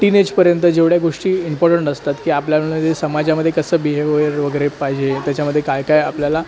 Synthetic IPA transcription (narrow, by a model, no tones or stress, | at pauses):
ʈined͡ʑpəɾjənt̪əd͡ʑeʋɽjaɡoʂʈiːimpɔɾʈəɳʈəst̪at̪kiːapljaəjesəmad͡ʑaməd̪ʱːjekəsəːbiɦeʋəɾʋəɡəɾepaɦid͡ʑet̪jat͡ɕaməd̪ʱːjekajkajapljala